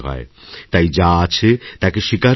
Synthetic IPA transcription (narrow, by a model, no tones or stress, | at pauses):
ɦɔ̰et̪ajd͡ʑaat͡ɕʰet̪akeʃika